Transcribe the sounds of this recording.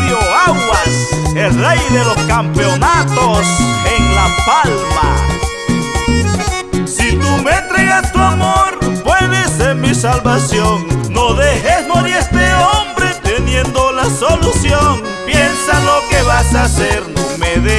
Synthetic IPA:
oaɣwaselrejðelo̞skampeonat̪oseŋlapalma̰ | sit̪umeent̪ɾeɣast̪uamoɾpwe̞ðesenmisalβasjonːoðexesnoɾjest̪eombɾe̞t̪enje̞nd̪olasolusjoŋ | pje̞nsalo̞keβasaseɾnomeðe

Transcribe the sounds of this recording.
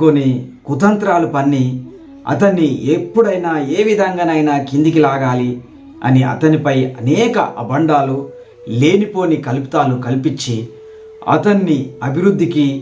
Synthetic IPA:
konikut̪ɐnt̪ɾaːlupɐnːi | ɐ̰t̪ɐnːiepːuɽɐjnaːe̞ːʋid̪ʱɐŋɡaːnɐjnaːkind̪ikilaːɡaːli | ɐ̰niʔɐ̰t̪ɐnipɐjɐnɛːkɐ̰ʔɐbɐɳɖaːlu | le̞ːnipo̞ːnikɐlpi̥t̪aːlukɐlpit͡ʃːi | ɐ̰t̪ɐnːiɐbʱiɾud̪ʱːiki

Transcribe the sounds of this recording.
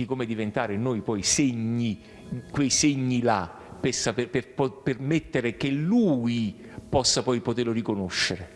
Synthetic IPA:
ikomed̪ivent̪aːɾenoːjpɔjseɲːi | kwejseɲːila | pesapepeppermet̪ːeɾek̟eluːi | pɔsːapɔjpot̪erlorikonoʃːeɾe

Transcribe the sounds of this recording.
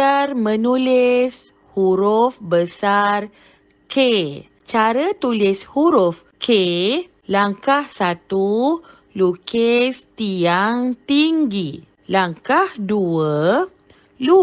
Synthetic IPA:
armə̃nulɪs | huɾʊfbəsar | ke | t͡ʃaɾət̪ulɪshuɾʊf | kʰe | laŋkahsat̪u | lukest̪iaŋt̪iŋɡi | laŋkahduə | lu

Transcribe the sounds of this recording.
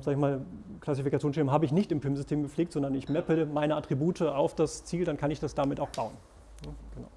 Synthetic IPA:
zaːɡəçmaːlkʰl̥asifikat͡sjoːnsʃɛɐmɦaːbəɪçnɪçtɪmpɪmzʏstʰeːmɡəp͡fleːk̚tz̥ɔndɐnɪçmɛpəmaɪnəatʁ̥ibuːtʰəaʊfd̥ast͡siːldankʰanɪçd̥asd̥amɪtaʊxb̥aʊən | nəɡ̥əna̰ʊ

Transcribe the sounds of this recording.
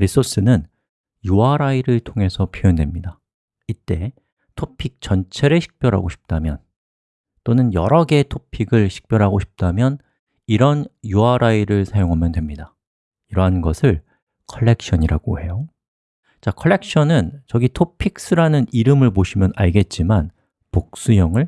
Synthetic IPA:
ɾis͈ʰos͈ɯnɯn | juaɾaiɾɯɭtʰoŋe̞sʰʌpʰjoendwe̞mɲida | it͈e̞ | tʰopʰik̚t͡ɕʌnt͡ɕʰe̞ɾeɕʰi̥k̚p͈jʌɾɦa̰ɡoɕʰi̥p̚t͈amjʌn | t͈onɯnjʌɾʌɡe̞tʰopʰiɡɯɭɕʰi̥k̚p͈jʌɾɦaɡoɕʰi̥p̚t͈amjʌn | iɾʌnjuaɾʔaiɾɯɭsʰajoŋɦamjʌndwe̞mɲida | iɾʌɦanɡʌsʰɯɭ | kʰʌɭːe̞k̚ɕ͈ʰʌɲiɾa̰ɡ̥ohe̞jo | t͡ɕakʰʌɭːe̞k̚ɕ͈ʰʌnɯnt͡ɕʌɡitʰopʰik̚s͈ɯɾanɯniɾɯmɯɭpoɕʰimjʌnaɭɡe̞t̚t͡ɕ͈iman | pok̚s͈ujʌŋɯɭ

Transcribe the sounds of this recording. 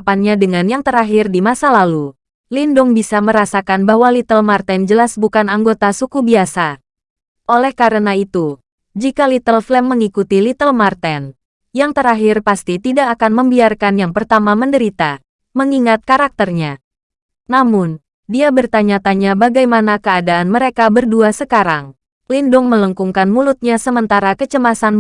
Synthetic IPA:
panɲadəŋanjaŋt̪əɾaɦɪrdimasalalu | lindʊŋbisaməɾasakanbaɦwalit̪əlmart̪ɛnd͡ʒəlasbukanaŋɡot̪asukubiasa | ʔolɛhkaɾənait̪u | d͡ʒikalit̪əlflɛmːəŋikut̪ilit̪əlmart̪ɛn | jaŋt̪əɾaɦirpast̪it̪idaːkanməmbiarkanjaŋpərt̪amaməndəɾit̪a | məŋiŋat̪̚kaɾak̚t̪ərɲa | namʊn | diabərt̪aɲat̪aɲabaɡajmanakəadaːnməɾekabərduasəkaɾaŋ | lindʊŋmələŋkuŋkanmulʊt̪̚ɲasəmənt̪aɾakət͡ʃəmasan

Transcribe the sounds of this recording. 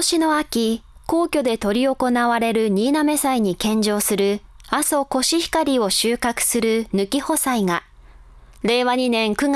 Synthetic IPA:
oɕino̞akʲiko̞ːkʲo̞d̪e̞t̪o̞ɾʲio̞ko̞naβaɾe̞ɾɯ̟ɲ̟iːname̞saiɲ̟ikẽ̞ɲ̟d͡ʑo̞ːsɨɾɯ̟aso̞ko̞ɕiçi̥kaɾʲio̞ɕɨːkakɯ̟̥sɨɾɯ̟nɯ̟kʲiho̞saiŋa | ɾe̞ːβaɲ̟inẽ̞ŋkɯ̟ŋa

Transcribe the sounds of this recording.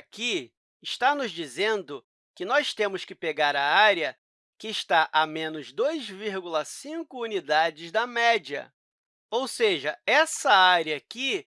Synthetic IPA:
ki | ɪʃt̪anʊzd͡ʒizẽnd̪ʊ | kɪnɔst̪ẽmʊskɪpeɡaɾɐaɾjɐ | kɪːʃt̪aʔamẽnʊzd̪ojzviɾɡulɐsĩkʊunid̪ad͡ʒɪzd̪ɐmɛd͡ʒɐ̰ | owseʒɐɛsɐaɾjɐkɪ

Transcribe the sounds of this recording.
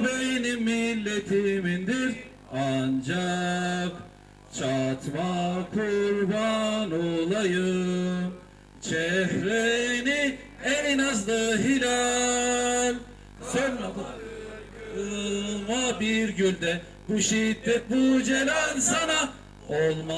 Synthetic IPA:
benimːilʲːet̪ʰimind̪iɾ | and͡ʒak | t͡ʃʰat̪makʰuɾbanolˠajɯm | t͡ʃʰɛhɾeni | ɛninazd̪ˠaɦilʲa | lʲ | sø | ɯmabiɾɟylʲd̪ɛ | buʃid̪ːɛt̪̚bud͡ʒelʲænsana | olˠma

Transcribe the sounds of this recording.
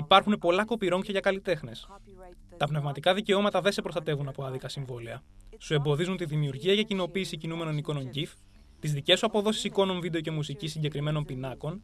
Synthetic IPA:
ipɐɾxunepo̞lɐko̞piɾo̞ŋçɐʝɐkɐlit̪e̞xne̞s | t̪ɐpne̞vmɐt̪ikɐðice̞o̞mɐt̪ɐðe̞se̞pɾo̞st̪ɐt̪e̞vunɐpoɐðikɐsiɱvo̞leɐ | sue̞mbo̞ðizunt̪iðimiuɾʝiɐʝɐcino̞piːsicinume̞no̞niko̞no̞ɲɟif | t̪izðice̞suɐpo̞ðo̞si̥siko̞no̞ɱvid̪eo̞ce̞musicisiɲɟe̞kɾime̞no̞mpinɐko̞n

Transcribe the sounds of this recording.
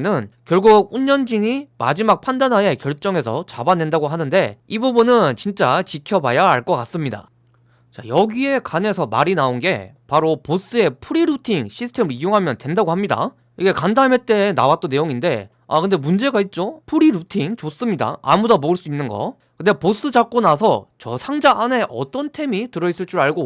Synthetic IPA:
nɯnkjʌɭɡuɡ̚uɲːʌnd͡ʑiŋima̰d͡ʑimak̚pʰandanɦae̞kjʌɭt͡ɕ͈ʌŋe̞sʰʌt͡ɕabane̞ndaɡoɦanɯnde̞ibubunɯnt͡ɕint͡ɕ͈at͡ɕikʰjʌbajaaɭk͈ʌk͈as͈ɯmɲida̰ | t͡ɕa̰jʌɡie̞kane̞sʰʌma̰ɾinaonɡe̞̰paɾopos͈ɯe̞pʰuɾiɾutʰiŋɕʰisʰɯ̥tʰe̞mɯɾijoŋɦamjʌntwe̞ndaɡohamɲida̰ | iɡe̞kandame̞t͈e̞nawat͈one̞joŋinde̞ | a̰kɯnde̞mund͡ʑe̞ɡait̚t͡ɕ͈opʰuɾiɾutʰiŋt͡ɕos͈ɯmɲida̰a̰mudʌmoɯɭs͈uinːɯnɡʌ̰ | kɯnde̞pos͈ɯd͡ʑak̚k͈onasʰʌt͡ɕʌsʰaŋd͡ʑaʔːne̞ʔʌ̰t͈ʌntʰe̞mitɯɾʌis͈ɯɭt͡ɕ͈uɾɭaɭɡo

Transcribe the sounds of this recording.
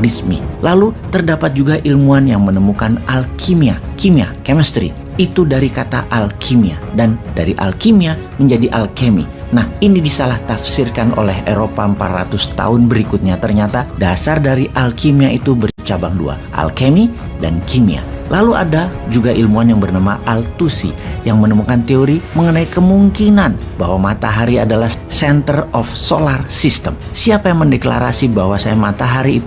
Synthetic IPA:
rismḭlalut̪ərdapat̪̚d͡ʒuɡaʔilmuanjaŋmənəmukanʔalkʰimiakimiakeməst̪ɾḭ | it̪udaɾikat̪a̰ʔalkʰimiadanda̰ɾiʔa̰lkimia | məɲd͡ʒadiʔalkemḭ | nahinidisalaht̪afsirkanʔo̰lɛɦeɾopaəmpa̰t̪ra̰t̪ʊst̪a̰ʊnbəɾikʊt̪̚ɲat̪ərɲat̪adasardaɾiʔalkʰimiait̪ubərt͡ʃabaŋdṵa̰ʔa̰lkemi | da̰nkʰimḭa̰lalua̰dad͡ʒuɡaʔilmuanjaŋbərnamaʔalt̪usḭjaŋmənəmukant̪eoɾiməŋənaikəmuŋkinanbaɦwamat̪aɦaɾiadalahsɛnt̪ərɔfsolarsist̪əmsiapajaŋməndekla̰ɾasibaɦwasajamat̪aɦaɾiːt̪

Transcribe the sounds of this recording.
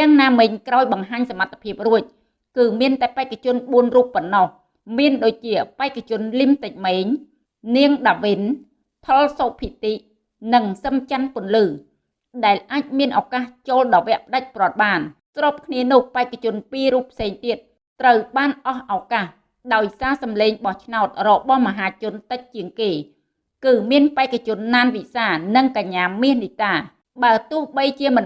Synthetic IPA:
t̪ɛ̆əŋnaːmɨɲkraɔjɓɑŋɦaːɲsamat̪ʰːḁpʰiəp̚ruəc̚ | kɨːmiənt̪aɛpaɛkːat͡ɕʊ̆ənɓuənruːpːɔnːɑh | miənɗoːc̚t͡ɕiəpaɛkʰːat͡ɕʊ̆ənlimt̪ɨc̚meːɲ | niəŋɗaːʋin | t̪ʰolsoːpʰit̪iʔ | nɨŋsəmt͡ɕanpʊ̆ənlɨː | ɗaɛlʔaːc̚miənʔaɔkaːht͡ɕoːlɗɑːʋɛ̆əʔpə̆ɗac̚prŏət̪̚ɓaːnsroːp̚kʰniənʊ̆əhpaɛkːat͡ɕʊ̆ənpiːɾuːpʰseːŋt̪iət̪̚ː | rəwɓaːnʔɑhʔaɔkaːh | ɗaɔjsaːsɑmleːŋɓɑht͡ɕʰnaɔt̪̚rɔɓɑhməɦaːt͡ɕʊ̆ənt̪ɨc̚t͡ɕiəŋkeː | kɨːmiənpaɛkat͡ɕʊ̆ənːaːnʋisaːnɨŋkaɲːaːmiəhnit̪aː | ɓaət̪ʊ̆əhɓəjt͡ɕiəmɨn

